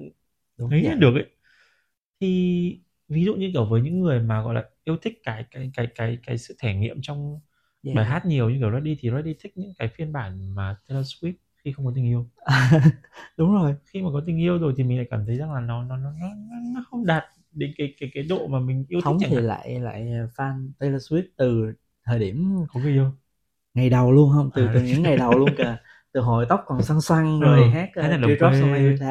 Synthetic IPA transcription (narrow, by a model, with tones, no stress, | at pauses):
ə˨˦a˨˧˦ɗɨ˨˩ək̚ʔə˨˧˦j | t̪ʰi˨˩ | vi˨˦zṵ˧˨ɲɨ˧kəː˧˩vəː˨˦jɲɨ̰˧˥ŋːɨ˨˩əjmaː˨˩ɣɔ̰˧˨laː˨˩ʔi˧əwt̪ʰï˦˥k̟̚kaː˨˦jkaː˨˦jkaː˨˦jkaː˨˦jkaː˨˦jsɨ̰˧˨t̪ʰɛ˧˩ŋḭ˧˨əmt͡ɕɔ˧wŋ͡m | ɓaː˧˩jɦaː˦˥t̚ɲi˨˩əwɲɨ̰˧˥ŋkːə˧˩lɔ˨˦j̚ɗi˧t̪ʰi˨˩lɔ˨˦ɗi˧t̪ʰï˦˥k̟̚ɲɨ̰˧˥ŋkaː˨˦jfi˧ənɓaː˧˩nmaː˨˩t̪e˧laː˧swi˦˥p̚xi˧xə˧wŋ͡mkɔ˨˦t̪ï˨˩ŋ̟ʔi˧əw | ɗʊ˨˦ŋ͡mzo˨˩jxi˧maː˨˩kɔ˨˦t̪ï˨˩ŋ̟ʔi˧əwzo˨˩jt̪i˨˩m˨˩ŋla̰ː˧˨kaː˧˩mt̪ʰə˨˦jza˧˩ŋlaː˨˩nɔ˨˦nɔ˨˦nɔ˨˦nɔ˨˦nɔ˨˦nɔ˨˦xə˧wŋ͡mɗaː˨˩t̚ | ɗe˨˦kaː˨˦jkaː˨˦jkaː˨˦jɗo̰˧˨maː˨˩mï˨˩ŋ̟ʔi˧əwtʰwŋ͡m̚t͡ɕa˧˩i˨˩la̰ː˧˨jla̰ː˧˨jfaː˧nt̪e˧la˧swi˦˥p̚t̪ɨ˨˩ | t̪ʰəː˨˩ɗi˧˩əmkɔ˨˦ɣɨ˧˦ʔi˧əw | ŋa˨˩jɗə˨˩wlu˧ənɦə˧wŋ͡mt̪ɨ˨˩t̪ɨ˨˩ɲɨ̰˧˥ŋːa˨˩˥jɗə˨˩˧wlu˧ənkəː˨˩ | t̪ɨ˨˩ɦo˧˩jt̪ə˦˥wk͡p̚kːɔ˨˩nswa˧ŋswa˧ŋze˨˩haː˦˥k̚aː˨˦˧aː˨˩ɗə˨˧˩sa˧i˧t̪ʰa˧